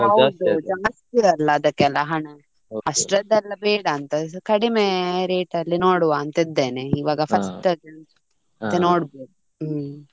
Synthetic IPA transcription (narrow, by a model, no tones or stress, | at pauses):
ɦɐd̪ud͡ʒɐmɐst̪ɛɐlːɐːd̪ɐkːɛlːɐɦɐɳɐ | ɐʂʈɾɐd̪ɛlːɐbeːɽɐːnt̪ɐkɐɽimeːɾeːʈɐlːinoːɽuʋaːnt̪ɐid̪ːeːneiʋaːɡɐpʰɐsʈɐd͡ʒɐn | t̪ːenoːɽbeːd̪u